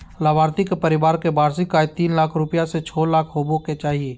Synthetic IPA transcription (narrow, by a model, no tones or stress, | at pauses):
laːbaːɾt̪ɪkepɐɾɪbaːɾkebaːɾsɪkːaːjt̪iːnlaːkʰɾʊpjaset͡ʃʰɔːlaːkʰɦoːboket͡ʃaːɦieː